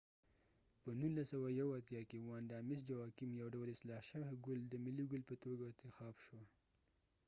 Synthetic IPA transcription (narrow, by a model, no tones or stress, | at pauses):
pənunlasawajawat̪jɑkewɑnd̪ɑmɪs̬d͡ʒawɑkimjawɖawəlɪslɑhʃəwɡʊld̪əmɪliɡʊlpət̪oɡaɪnt̪ɪxɑbʃwa